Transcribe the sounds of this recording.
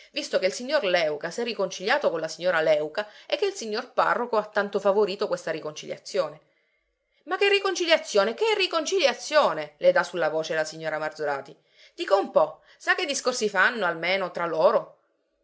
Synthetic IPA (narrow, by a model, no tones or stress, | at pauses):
vist̪okeilsiɲːorlɛwkasɛrːikont͡ʃiʎjaːt̪okonlasiɲːoːɾalɛwkaekːeilsiɲːorpa̰rːokoat̪ːant̪ofavoɾiːt̪okwest̪aɾikont͡ʃilja̰t̪sːjoːne | mak̟ːerːikont͡ʃiljat̪sːjoːnekerːikont͡ʃiljat̪sːjoːneled̪asulːavoːt͡ʃelasiɲːoːɾamard̪zoɾaːt̪i | d̪̥iːkoumpɔ | sak̟ːed̪ːiskorsifanːoalmeːnot̪ɾalːoːɾo